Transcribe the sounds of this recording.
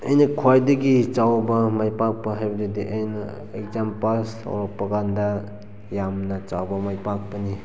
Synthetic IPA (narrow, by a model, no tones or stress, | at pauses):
ɐjnɐkʰwajdɐɡit͡ʃawbɐmajpak̚pɐɦajbɐdidiʔɐjnɐ | ek̚zampalsa̰wɾɐk̚pɐkandɐ | jamnɐt͡ʃawbɐmajpak̚pɐni